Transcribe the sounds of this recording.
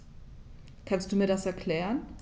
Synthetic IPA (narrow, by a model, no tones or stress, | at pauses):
kʰanst̚d̥uːmiːɐdasɛɐkʰl̥ɛːʁən